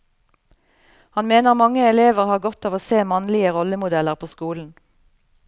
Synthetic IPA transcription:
hɑnmeːnəʁmɑŋəɛleːʋəʁhɑːʁɡɔt̪ɑːʋoːseːmɑnlɪəʁɔləmʊd̪ɛləʁpʰoːskuːln̩

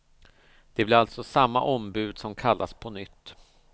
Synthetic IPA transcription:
d̪̥ɛblɪɾalt̪sɔsamːa̰ʔɔmbʉ̟ːd̪sɔmkʰalːʔa̰spʰɔnʏt̪ː

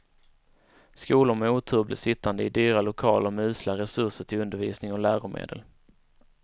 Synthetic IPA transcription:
skuːlʊɾmɛuːt̪ʰʉːblɪ̰sɪt̪ːand̪əɪd̪yːɾalʊkʰɑːləɾmɛʉ̟ːslaɾɛsɵʂəʈʰɪlɵnd̪əɾviːsnɪŋɔlæːɾʊmḛːd̪ə̰l

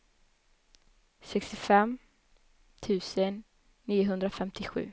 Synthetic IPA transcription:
sɛkst̪ɪfɛmː | t̪ʰʉ̟ːsənː | iːʊɦɵnd̪ɾafɛmt̪ʰɪɧʉ̟̰ː

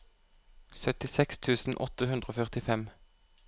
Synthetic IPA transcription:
sœt̪ɪsɛkst̪ʰʉːsn̩ʔɔ̰t̪əhʉnd̪ʁəoːfœʁt̪ɪfɛm

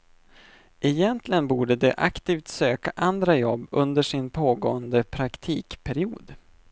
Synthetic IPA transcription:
ʔɛjɛnt̪lɪɡənbuːɖəd̪ɛʔakt̪iːft̪søːkaʔand̪ɾajɔbːɵnd̪əʂɪnpʰoːɡoːənd̪əpʰɾakt̪ʰiːkpʰæɾɪuːd̪

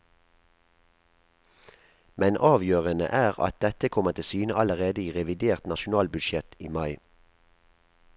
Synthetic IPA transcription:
mɛnʔɑːʋjøːʁənə̰ʔæːʁɑ̰t̪̚d̪ɛt̪əkʰɔmət̪ʰɪsyːnəʔɑləʁeːd̪əiːʁɛʋɪd̪eːʁt̪nɑʃʊnɑːlbʉd̪ʃjɛt̪iːmɑɪ

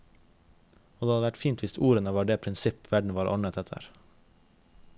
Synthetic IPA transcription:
oːd̪eːɑd̪əʋæʈfiːnt̪ʋɪst̪uːɾənəʋɑːɖeːpʰɾɪnsɪpʋæɖɳ̩ʋɑːɾʔɔ̰ɳət̪ʰɛt̪ʰə̰ɾ

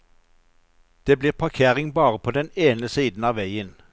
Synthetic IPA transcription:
d̪̥eːbliːʁpʰɑʁkʰeːʁɪŋbɑːʁəpʰoːd̪ɛneːnəsiːd̪n̩ɑːʋæɪən

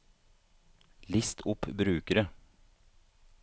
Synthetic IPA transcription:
lɪst̪ʰʊpbɾʉːkəɾə

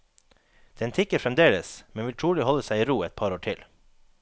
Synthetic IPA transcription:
d̪̥ɛnt̪ʰɪkːəfɾɛmd̪eːləsmɛnʋɪlt̪ʰɾuːlɪhɔləsæɪiːɾuːɛt̪̚pʰɑːɾoːʈʰɪl

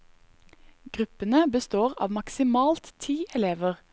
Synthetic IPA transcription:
ɡ̥ʁʉpənəbəst̪oːʁɑ̰ːʋmɑksɪmɑːlt̪t̪ʰiːʔɛleːʋəʁ

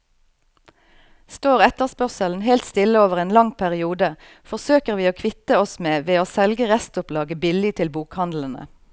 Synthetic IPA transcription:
st̪oːʁɛt̪əʁspœʁsəln̩ɦeːlt̪st̪ɪləoːʋəʁeːnlɑŋpʰæʁɪuːd̪ə | fɔʁsøːkəʁʋiːoːkʰʋɪt̪əɔsmeːʋeːoːsɛlɡəʁɛst̪ʊplɑːɡəbɪlɪt̪ʰɪlbuːkhɑnd̪l̩ən̩ə̰

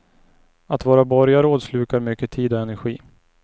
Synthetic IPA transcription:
at̪vɑːɾabɔɾjaɾoːd̪slʉ̟ːkaɾmʏkːət̪ʰiːd̪ɔɛnæɾɧiː

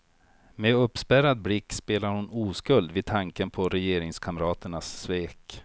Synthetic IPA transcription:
mɛɵpːspæɾad̪̚blɪkːspeːlaɾhʊnuːskɵld̪vɪd̪̚t̪ʰaŋkənpʰɔɾɛjeːɾɪŋskʰaməɾɑːt̪əɳasːveːk

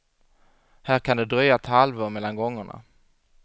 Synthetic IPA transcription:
hæːɾkʰand̪ɛd̪ɾœjat̪ʰhalvɔmɛlːanɡɔŋːəɳa̰

